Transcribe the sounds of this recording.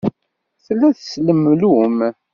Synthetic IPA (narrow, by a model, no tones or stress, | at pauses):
θlːæθsləmlum